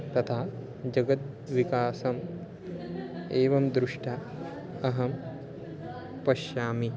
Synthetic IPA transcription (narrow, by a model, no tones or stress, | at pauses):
t̪ɐt̪ʰaː | d͡ʒɐɡɐt̪̚ | ʋikaːsɐm | eːʋɐmd̪ɾuʂʈʰɐ | ɐɦɐm | pɐʃjaːmi